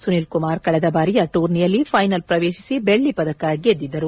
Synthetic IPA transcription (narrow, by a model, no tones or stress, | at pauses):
sunilkumaːɾkɐɭɐd̪ɐbaːɾijɐʈuːɾnijɐlːipʰɐjnɐlpɾɐʋeːʃi̥sibeɭːipɐd̪ɐkaːɡied̪ːid̪ːɐɾu